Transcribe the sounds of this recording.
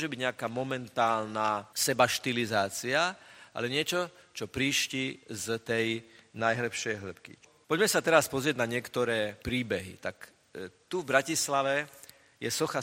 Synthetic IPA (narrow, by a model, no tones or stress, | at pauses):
ʒɛbiɟɲɛakamɔmɛnt̪aːlnasɛbaʃt̪ilizaːt͡siaʔa̰lɛɲɪɛt͡ʃɔt͡ʃɔpɾiːʃcizt̪ɛjnajɦl̩pʃɛjɦl̩pkḭpɔɟmɛsat̪ɛɾaspɔzɾɪɛɟnaɲɪɛkt̪ɔɾɛːpɾiːbɛɦḭt̪ak | t̪uvbɾacislaʋɛ | jɛsɔxa